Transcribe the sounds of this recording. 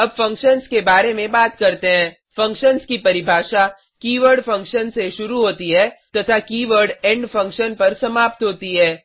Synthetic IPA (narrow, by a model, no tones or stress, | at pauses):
ɐbfɐ̃ŋkʃənskebaːɾemẽbaːt̪kɐɾt̪eɦɛ̃ː | fɐ̃ŋkʃənskipɐɾɪbʱaːʃa | kiːʋəɾɖfɐ̃ŋkʃənseʃʊɾuɦoːt̪iɦɛːt̪ɐt̪ʰakiːʋəɾɖɛ̃ːɳɖfɐ̃ŋkʃənpɐɾsɐmaːp̚t̪ɦoːt̪iɦɛː